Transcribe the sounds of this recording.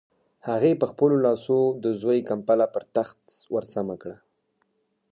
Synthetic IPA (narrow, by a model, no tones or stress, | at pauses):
haɣepəxpəlolɑsod̪əzojkampalapəɾt̪axt̪waɾsamakɽa